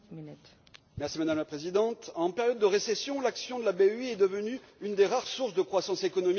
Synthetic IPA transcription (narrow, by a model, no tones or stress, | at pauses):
mɛʁsimad̪amlapχezid̪ɑ̃t̪ɑ̃peʁjɔd̪ːəʁesesjɔ̃laksjɔ̃d̪əlabeyɛd̪əvəny | ynd̪eʁaʁsuʁsd̪əkχwasɑ̃sekɔnɔmi